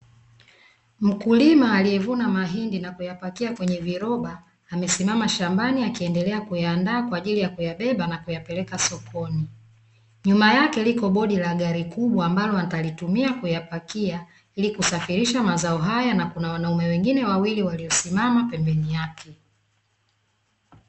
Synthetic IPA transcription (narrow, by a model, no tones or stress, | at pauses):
m̩kulimaːlijɛvunamaɦindinakujapakiakwɛɲɛviɾɔɓaː | mɛsimamaʃambaniakiɛndɛlɛakujaːndaːkwaːʄilijakujaɓɛɓanakujapɛlɛkasɔkʰɔni | ɲumajakɛlikɔɓɔɗilaɠaɾikuɓwaːmbalɔatalitumiakujapakia | ilikusafiɾiʃamazaɔɦajanakunawanaumɛwɛŋɡinɛwawiliwaliɔsimamapɛmbɛnijakʰɛ